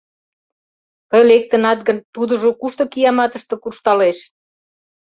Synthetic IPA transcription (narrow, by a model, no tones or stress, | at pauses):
t̪əjlek̚t̪ə̆nɑt̪̚ɡənt̪ud̪ə̆ʒokuʃt̪ɤ̆kijɑmɑt̪əʃt̪ɤ̆kurʃt̪ɑleʃ